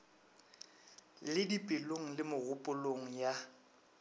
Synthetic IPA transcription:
lɪdipʼɪloŋ̩lɪmʊɣʊpʼʊloŋ̩ja

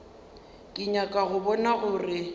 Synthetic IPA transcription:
kʼɪɲakʼaɣʊbɔnaɣʊrɪ

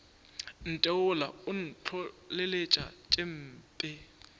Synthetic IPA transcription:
n̩tʼɛʊlaʊn̩t͡ɬʰɔlelet͡ʃʼa̰t͡ʃʼem̩ːpʼɪ

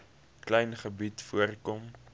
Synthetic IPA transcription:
klɛjnχəbitfuərkɔm

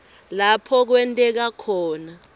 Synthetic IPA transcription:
lapʰɔk̬wɛntʼɛk̬akʰɔːna

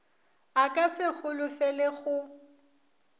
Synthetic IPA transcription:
akʼasɪɣʊlʊfɛlɛɣʊ

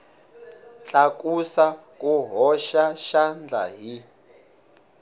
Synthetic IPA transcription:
t͡ɬʼakʼusa | kʼuɦɔʃaʃand͡ɮʱa̰ɦi

